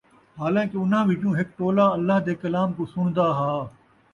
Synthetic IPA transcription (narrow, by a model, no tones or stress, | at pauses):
ɦaːlãːkeʊnɦãːbʱikũːɦɪk̚ʈ̪oːlaːɐlːaɦd̪eːkɐlaːmkosʊɽ̃d̪aɦaː